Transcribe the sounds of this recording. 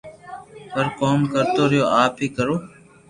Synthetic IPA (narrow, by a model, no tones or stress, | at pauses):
pəɾkoːmkəɾt̪oːɾɪjoːʔaːpiːkəɾoː